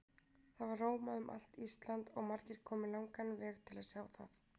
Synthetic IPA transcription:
θaðvaɾroːwmaðʏmʔa̰l̥t̪ist̪lant̪ɔɣmaɾcɪɾ̥kʰɔːmɪlawŋkanvɛːɣt̪ʰɪlaðsjaːwθaθ

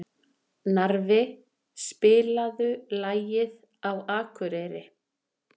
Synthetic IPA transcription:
naɾvɪ | spɪːlaðʏlaːjɪð | awaːkʰʏɾejɾɪ

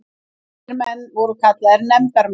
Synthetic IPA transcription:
ɾmɛnːvɔɾʏkʰat̪laɛɾnɛmt̪aɾm

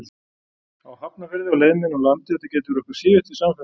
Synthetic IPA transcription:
awhapnavɛɾðɪawleːjmɪnɔlant̪ɪɛt̪acɛːjt̪ɪvʏɾɔhkʏɾ̥sɪːvʏht̪ɪsamfɛ

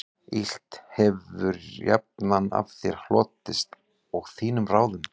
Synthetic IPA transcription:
il̥t̪hɛvʏɾja̰p̚nana̰fθjɛɾ̥hlɔːt̪ɪst̪ | ɔɣθiːnʏmraːwðʏm

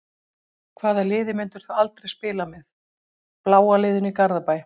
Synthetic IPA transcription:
kʰvaːðalɪːðɪmɪnt̪ʏɾ̥θuwalt̪ɾejspɪːlamɛð | plaːwalɪːðʏnikaɾðapaːj

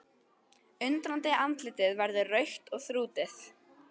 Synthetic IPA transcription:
ʏnt̪ɾant̪ɪant̪lɪt̪ɪðvɛɾðʏrœɥxt̪ɔɣθɾuːt̪ɪθ

